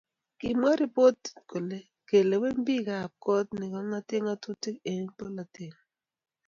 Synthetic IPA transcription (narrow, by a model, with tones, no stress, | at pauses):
ki˨mwa˦ɾi˦po˦tko˨le˦ | ke˨le˨wɛ˦m˦bi˦ka˦˨p̚kɔ˦tnɪ˨kɔ˦ŋa˦tɪ˦ŋa˦tu˦tɪ˦ke˨ŋ˦po˦la˨tɪ˦˨ŋ